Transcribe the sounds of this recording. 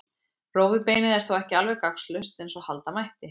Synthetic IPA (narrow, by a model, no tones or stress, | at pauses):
roːwvɪpeːjnɪðɛɾ̥θowɛhcɪalvɛɣkakslʏst̪ɛnsɔhalt̪amajht̪ɪ